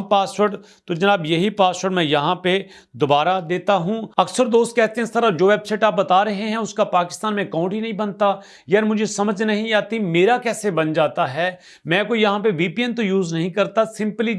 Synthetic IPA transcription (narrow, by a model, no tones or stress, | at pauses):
paːsʋəɾʈ | t̪od͡ʒɐnaːbjɐɦipaːsəːʈmɛ̃jɐɦãpe | d̪ʊbaːɾad̪eːt̪aɦũːɐksəɾd̪oːst̪̚kɛɦt̪ẽɦɛ̃ɪst̪əɾad͡ʒoːʋeːbsɛːʈaːp̚bɐt̪aːɾɐɦeɦɛ̃ʊskapaːkɪ̥st̪aːnmẽkãːʊ̃ɳʈinɐɦĩbɐnt̪a | jaːɾmʊd͡ʒʱesɐməd͡ʒnɐɦĩaːt̪imeːɾakɛːsebɐnd͡ʒaːt̪aɦɛː | mɛ̃ːkoijɐɦãp̬eʋiːpiːɛ̃nt̪ojuːznɐɦĩkɐɾt̪asɪ̃mpli